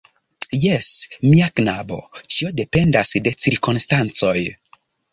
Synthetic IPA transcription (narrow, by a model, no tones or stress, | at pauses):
jesmiaknabo̞̰t͡ʃio̞de̞pe̞ndasde̞t͡siɾkonstant͡so̞j